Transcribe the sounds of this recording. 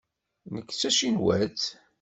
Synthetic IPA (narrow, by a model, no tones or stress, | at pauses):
nəkːt͡sːæʃinwæt͡s